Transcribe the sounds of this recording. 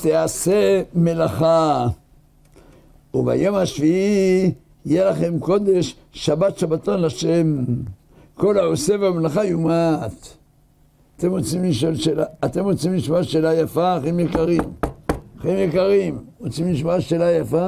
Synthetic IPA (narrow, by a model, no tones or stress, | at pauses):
t̪easeme̞laχa | uva̰jo̞mhaʃvii | jelaχe̞mko̞d̪e̞ʃː | abat̪ʃabat̪onlaʃem | ko̞laoseveamelaχajumat̪ | at̪e̞mʁot͡simliʃolʃelaːt̪e̞mʁot͡simliʃmaʃelajafaχemjekaʁimaχemjekaʁimʁot͡simliʃmoaʃelajafa